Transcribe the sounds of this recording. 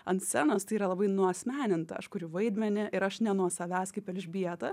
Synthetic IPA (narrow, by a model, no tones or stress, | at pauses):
ɐnt̪sʲɛnoːst̪ɐɪiːɾɐlˠɐbɐɪnuɐsʲmʲæːnʲɪnt̪ɐ̰ɐʃkʊɾʲʊʋɐɪd̪ʲmʲɛnʲɪʔɪɾɐʃnʲɛnuɔsɐʋʲæːskɐɪpʲɛlʲʒʲbʲiɛt̪ɐ